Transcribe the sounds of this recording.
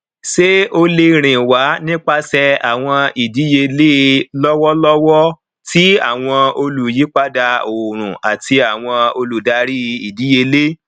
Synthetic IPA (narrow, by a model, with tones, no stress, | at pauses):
se˦o˧le˧ɾ̃ĩ˨wa˨˦nĩ˦k͡pa˧sɛ˧a̰˨w̃ɔ̃˧i˨di˨˦je˧le˦lɔ˦wɔ˦lɔ˦wɔ˦ | ti˦a˦˨w̃ɔ̃˧o˧lu˨ji˨˦k͡pa˦da˧o˨ɾ̃ũ˨ʔa˨tʰi˧a˨w̃ɔ̃˧o˧lu˨da˧ɾi˦˧i˨di˨˦je˧le˦